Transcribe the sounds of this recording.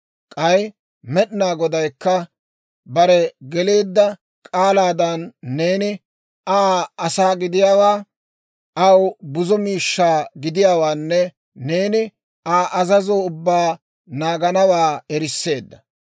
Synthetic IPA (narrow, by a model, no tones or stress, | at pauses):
kʼɐj | mɛɗnaːɡɔd̪ɐjkːɐ | bɐɾɛɡɛle̞ːd̪ːɐ | kʼaːlaːd̪ɐnːe̞ːnɪ | aːɐsaːɡɪd̪ɪjaːwaː | ʔɐwbʊzɔmiːʃːaːɡɪd̪ɪjaːwaːnːɛ | ne̞ːnɪ | aːʔɐzɐzoʊbːaː | naːɡɐnɐwaːɛɾɪsːe̞ːd̪ːɐ̥